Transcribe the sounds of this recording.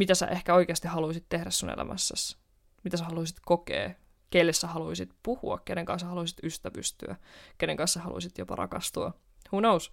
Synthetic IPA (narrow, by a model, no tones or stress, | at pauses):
mit̪æsæ̰ʔehkæoik̟eɑst̪ihɑluisit̪tːehɾæsːunelæ̰mʔæ̰sːæs | mit̪æsæhɑluisit̪kokḛː | kelːessæhɑluisit̪puhuɑkkeneŋkɑ̰nsæhɑluisit̪yst̪æpy̰st̪y̰æ̰keneŋkɑ̃nsæhɑ̰lṵisit̪jopɑ̰ɾʔɑ̰kɑst̪uɑ | hunous